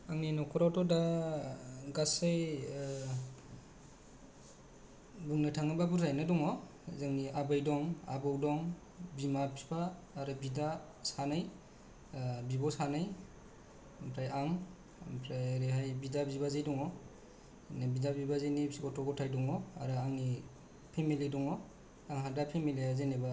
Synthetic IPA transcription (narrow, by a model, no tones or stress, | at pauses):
aŋninɔkʰɔɾatɔda | ɡasɯj | bɯŋnɯtʰaŋɯbabuɾʰajnɯdɔŋɔ | zɯŋniʔabajdɔŋa̰bɯwdɔŋ | bimapʰipʰaː | ɾɯbida | sanaj | bibɔsanaj | pʰɾajaŋ | pʰɾajɾeɦajbidabibazejdɔŋɔ | nabidabibazenisikɔtʰɔɡɔtʰajdɔŋɔa̰ɾɯaŋni | pʰemilidɔŋɔ | aŋɦadapʰemiliazeneba